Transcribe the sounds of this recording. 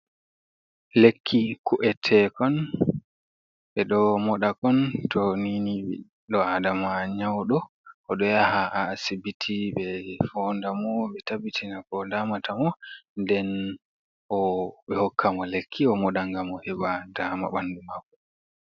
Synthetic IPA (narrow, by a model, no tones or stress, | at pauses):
lekʰːikuʔɛtʰɛkɔn | ɓɛɗɔmɔɗakɔntʰɔniniɛ | ɗɔadamaɲawɗɔ | ʔɔɗɔjahaʔaːsibitʰiɓɛfɔndamɔɓɛtabitʰinakɔdaːmatʰamɔndɛn | ʔɔɓɛhɔkʰːamɔlekʰːiɔmɔɗaŋɡamɔhɛbadama̰ɓandumakːɔ